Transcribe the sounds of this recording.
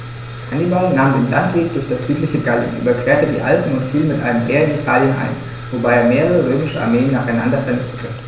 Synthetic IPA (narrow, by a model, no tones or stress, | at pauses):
ʔanimaʊnaːmdeːnlantv̥eːk̚d̥ʊɐçd̥asz̥yːtlɪçəɡalḭnʔy̰bɐkv̥eːɐtədḭːʔa̰lpn̩ʊntfiːlmɪtʔaɪnəmʔeːɐɪnitʰaːljənʔa̰ɪn | vobaɪeːɐmeːʁəʁəʁøːmɪʃəʔa̰ɐmeːənːaːχaɪnandɐfɛɐnɪçtətʰə